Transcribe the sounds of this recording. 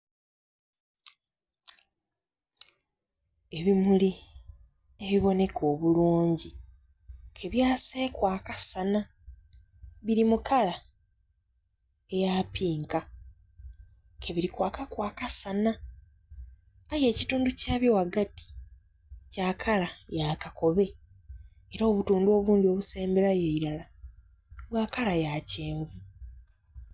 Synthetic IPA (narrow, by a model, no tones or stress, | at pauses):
e̞βimuli | e̞βiβo̞ne̞kʰo̞ːβuluːɲɟi | kʰe̞βjaːseːkwaːkasana | βiɾimukala | e̞jaːpiːŋka | kʰe̞βiɾikwaːkakwaːkasana | je̞ːcituːnducaːβjowaɡati̥ | caːkʰalajaːkako̞βe̞ː | ɾoːβutuːndwo̞ːβuːndio̞βuse̞ːmbe̞lajeiɾala | βwaːkalajace̞ːɱvu